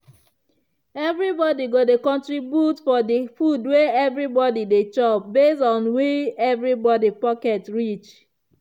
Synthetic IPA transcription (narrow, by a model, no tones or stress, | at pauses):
ɛvɹibɔdiɡodekɔ̃ntɹibjutfɔdifudweɛvɹibɔdidet͡ʃɔp̚besɔ̃nwiɛvɹibɔdipɔkɛtɹit͡ʃ